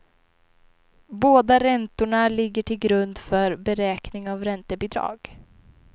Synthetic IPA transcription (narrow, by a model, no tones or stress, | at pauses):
boːd̪aɾɛnt̪ʊɳalɪɡːəʈʰɪlɡɾɵnd̪fœɾbɛɾɛːknɪŋavɾɛnt̪əbɪd̪ɾɑ̰ːɡ̥